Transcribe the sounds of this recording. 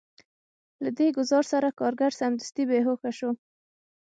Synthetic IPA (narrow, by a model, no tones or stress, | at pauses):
lad̪eɡʊzɑɾsaɾakɑɾɡaɾsamd̪ast̪ibeɦoxaʃo